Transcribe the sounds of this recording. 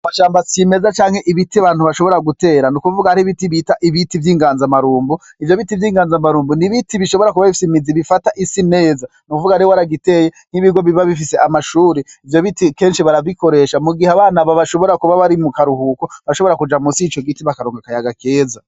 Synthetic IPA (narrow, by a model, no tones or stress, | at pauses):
maʃaːmbasime̞zat͡ʃaːŋ̥he̞ʔiβitiβaːnhuβaʃo̞βo̞ɾaɡute̞ːɾanukuvuɡaaɾiβitiβitaʔiβitivjiːŋɡaːnzamaɾuːmbu | ivjo̞βitivjiːŋɡaːnzamaɾuːmbuniβitʰiβiʃo̞βo̞ɾakuβaβifi̥seimiziβifataʔisine̞ːza | nukuvuɡaɾewaɾaɡite̞jen̥hiβiɡo̞βiβaβifiseamaʃuːɾeivjo̞βitike̞ːnʃiβaɾaβiko̞ɾe̞ʃamuɡiheaβaːnaβaβaʃo̞βo̞ɾakuβaβaɾimukaɾuhuːkoβaʃo̞βo̞ɾakud͡ʒamusit͡ʃo̞ɡitiβakaɾoːŋɡakajaɡakʰe̞ːza